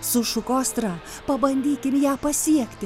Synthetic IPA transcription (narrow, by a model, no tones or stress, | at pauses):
sʊʃʊkoːst̪ɾɑː | pɐbɐnʲd̪ʲiːkʲɪmjæːpɐsʲiɛkʲt̪ʲɪ